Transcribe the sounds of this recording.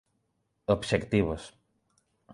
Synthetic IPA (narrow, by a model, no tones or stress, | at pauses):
obʃekt̪iβos